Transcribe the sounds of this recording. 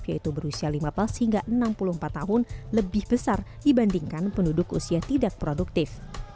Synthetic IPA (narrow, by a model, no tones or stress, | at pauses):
fiait̪ubəɾusialimaplashiŋɡaʔənampuluhmpat̪ːaɦʊnləbɪhbəsardibandiŋkanpəndudʊkṵsiat̪idak̚pɾoduk̚t̪ɪf